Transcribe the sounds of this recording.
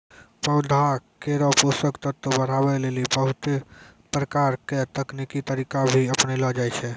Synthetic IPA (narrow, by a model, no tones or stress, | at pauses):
pəʊd̪ʱakeɾɔposəkt̪əɾt̪ːəbəɾ̤abɛlelibəɦut̪epɾəkaɾket̪əknikit̪əɾikabʱiəpnelɔd͡ʒajt͡ʃʰɛ